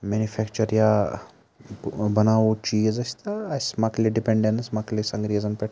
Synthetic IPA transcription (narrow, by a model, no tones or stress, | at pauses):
meːnufʰɛːkt͡ʃɐɾja | bɐnaːot͡ʃiːzɐsʲt̪aɐsmakliɖipeɳɖensmaklisɐŋɡɾiːzɐnpeʈ